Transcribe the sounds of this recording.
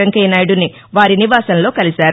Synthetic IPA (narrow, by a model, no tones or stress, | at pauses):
ɐŋkeːnɐjɽuni | ʋaːɾiniʋaːsɐnlo̞ːkɐlisaːɾ